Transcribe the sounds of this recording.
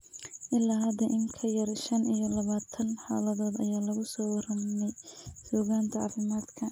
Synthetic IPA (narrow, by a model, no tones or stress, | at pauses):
ʔɪlːaɦɐd̪ɐʔɪŋkʰɐjɐrʃɐnʔijɔlɐβaːt̪ʰɐnħa̰ːlɐðɔːd̪ɐjaːlɐɣʊsɔːwɑrɐmɛjsɔːɣaːnt̪ʰɐʕɑ̰ːfɪmaːd̪kʰɐ